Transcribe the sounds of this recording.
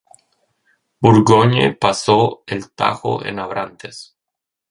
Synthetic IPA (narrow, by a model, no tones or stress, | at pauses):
buɾɣoɲḛpasoelt̪a̰xo̰ʔḛnaβɾant̪es